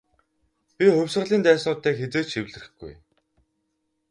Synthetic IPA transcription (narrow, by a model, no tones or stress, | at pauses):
pʲixɵwʲsə̆ʁɮiːnt̪æːsnʊːt̪ːeːxet͡seːt͡ɕʃiwɮɘ̆r̆xɡ̥ṵj